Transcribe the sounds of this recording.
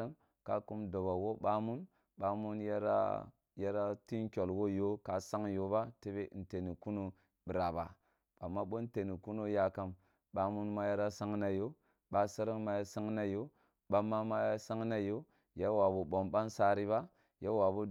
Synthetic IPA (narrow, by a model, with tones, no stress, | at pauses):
m | ka̰˦ku˦mdo˨ba˨wo˦ɓa˦mu˦n | ɓa˦mu˦nja˦ɾa̰˦ | ja˦ɾa˦ti˦nkʲo˨lwo˦jo˦ka˨sa˦ŋjo˦ba˦te˦be˦˨n̩˨te˨ni˨ku˦no˦ | bi˨ɾa˨ba˨ | a˨mːa˦ɓo˦n˦te˨ni˨ku˦no˦ja˨ka˨m | ɓa˨mu˦nma˦ja˦ɾa˦sa˦ŋna˨jo˦ | ba˦sa˦ɾi˦mːa˨ja˦sa˦ŋna˦jo˦ | ɓa˦ma˦ma˦ja˦sa˦ŋna˦jo˦ | ja˦wa˨bu˨bo˨mba˦nsa˦ɾi˦βa˦ | ja˦wa˨bu˦